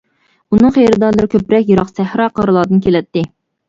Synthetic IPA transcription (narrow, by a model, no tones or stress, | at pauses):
unɨŋχejɾɪd̪ɑɾlˠɨɾɪkʲʰøpɾɛkʲjɨɾɑqsæhɾɑqʰəɾlˠɑːd̪ɨnkʲʰelɛt̪ːɪ